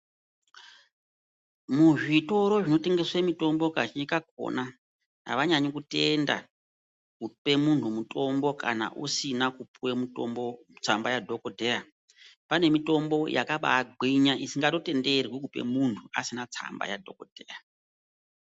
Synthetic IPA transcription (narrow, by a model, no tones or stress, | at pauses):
muʐito̞ɾo̞ʐino̞te̞ŋɡe̞swemito̞mbo̞kat͡ʃikak̚o̞̰na | ɦa̰ʋaɲaɲokute̞nda̰ | kupe̞muntʰumuto̞mbo̞ka̰na̰ʔusinakupwemutombo | t͡sambajadʱo̞kodʱeja | pane̞mito̞mbo̞ja̰kaɓa̰ɡʱiɲaʔisiŋɡato̞te̞nde̞rwik̬upe̞̰muntʰua̰sinat͡sa̰mba̰ja̰dʱo̞kod̥ʱeːa